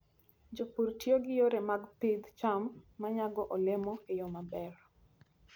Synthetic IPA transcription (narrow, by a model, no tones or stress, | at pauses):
d͡ʒopuɾtjoɡɪjoɾemaɡpɪd̪t͡ʃamːaɲaɡɔʔɔlɪmɔɪjɔmabɛr